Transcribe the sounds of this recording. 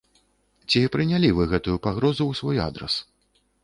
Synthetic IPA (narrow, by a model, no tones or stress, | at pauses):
t͡sʲipɾɨnʲalʲivɨɣɛt̪ujupaɣɾɔzuwsvɔja̰d̪ɾɐ̰s